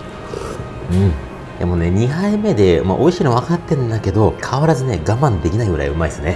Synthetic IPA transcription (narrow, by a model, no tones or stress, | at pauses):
ɯ̟̃ɴ | ja̰mone̞ɲ̟iɦaime̞d̪e̞ma̰ʔo̞iɕiːnoβakat̪ːe̞ɯ̃nd̪ake̞d̪o̞kʰaβaɾazɨne̞ɡamãnd̪e̞kʲinaiɡɯ̟ɾa̰iɯ̟maisɨne̞